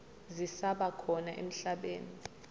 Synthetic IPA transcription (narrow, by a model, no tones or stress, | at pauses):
zisaɓakʰɔnaʔḛm̩ɬaɓḛːni